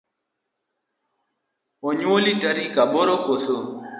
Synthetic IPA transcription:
oɲwolitaɾikaboɾokoso

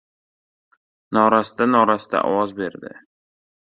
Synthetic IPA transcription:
nɒɾasd̪anɒɾast̪a̰ʔɒ̰wɒzbe̞ɾd̪ɪ̰

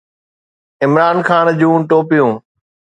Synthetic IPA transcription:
ɪmɾaːnxaːnd͡ʑũːʈoːpijũː

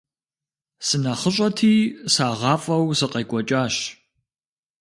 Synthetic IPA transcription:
sɨnɐχəɕʼɐtʰiːsaːʁɑːfʼɐwsɨqʼɐjkʷʼɔt͡ʃʼaːɕ

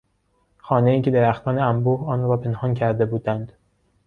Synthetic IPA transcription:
xɒːneiːced̪eɾæxt̪ʰɒːneæmbuːhɒːnɾɾɒːpʰe̞nhɒːncʰæɾd̪e̞buːd̪ænd̪̥

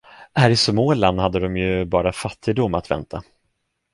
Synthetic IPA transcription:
hæːɾɪsmoːlanhad̪ːəd̪ɔmjɵbɑːɾafat̪ʰːɪɡd̪ʊmːat̪vɛ̰nt̪ʰa

